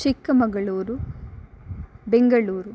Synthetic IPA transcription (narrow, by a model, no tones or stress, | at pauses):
t͡ʃikːɐmɐɡɐɭuːɾu | beŋɡɐɭuːɾu